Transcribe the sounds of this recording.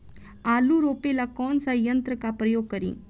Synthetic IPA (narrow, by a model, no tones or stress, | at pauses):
aluɾoːpelakɔːnsɐjjɐnt̪ɾɯkːapɾɐjoːɡkːɐɾḭŋ